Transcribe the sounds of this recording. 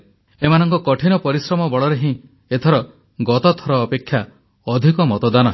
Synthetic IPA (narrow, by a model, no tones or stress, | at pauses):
emanɔŋkɔkɔʈʰinɔpɔɾisɾɔmɔbɔɭɔɾeɦĩ | et̪ʰɔɾɔ | ɡɔt̪ɔt̪ʰɔɾɔːpekʰːja | ɔd̪ʱikɔmɔt̪ɔd̪anɔɦ